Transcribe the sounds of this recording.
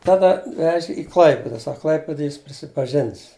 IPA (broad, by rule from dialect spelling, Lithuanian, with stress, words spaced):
ˈtɑːdɐ ˈʋʲæːʒʲɪ ɪ ˈklˠɐɪpʲɪdɐ ˈsɐk ˈklˠɐɪpʲɪdɐj ˈjɪs pʲrʲɪsʲɪpɐˈʒʲɪns